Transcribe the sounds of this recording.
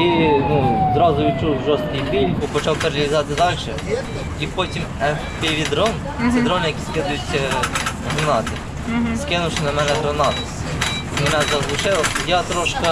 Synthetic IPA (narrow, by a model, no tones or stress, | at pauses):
inuzɾɑzʊʋʲit͡ʃuwʒɔst̪̚kijpilʲkʊpɔt͡ʃɑwkɐɾɐlʲizɑt̪ɪd̪ɑlʲʃɛ | ipotʲim | ɛ | pʲeʋʲid̪ɾɔn | sɛd̪ɾɔnjɐkʲiskɪd̪ʊjʊt͡sʲ | ɦɾɐnɑt̪ɪ | skɪnʊʃnɐmɛnɛɦɾɐnɑt̪ɪ | mɛnazɐɦlˠʊʂɪlˠɐjɑt̪ɾɔʃkɐ